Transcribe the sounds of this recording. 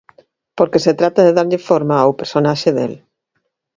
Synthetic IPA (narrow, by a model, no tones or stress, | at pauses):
poɾkeset̪ɾat̪ɐðeðaɾʎɪfoɾmaːwpeɾsonaʃeðḛl